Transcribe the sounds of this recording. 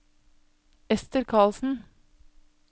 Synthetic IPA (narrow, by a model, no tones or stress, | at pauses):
ɛst̪əɾkʰɑːlsn̩